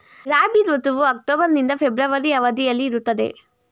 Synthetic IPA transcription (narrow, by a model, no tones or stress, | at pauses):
ɾaːbid̪ʋɐt̪uʋuɐk̚ʈoːbɐɾnind̪ɐpʰebɾɐʋɐɾiɐʋɐd̪ijɐlːiːɾut̪ːɐd̪e̞̰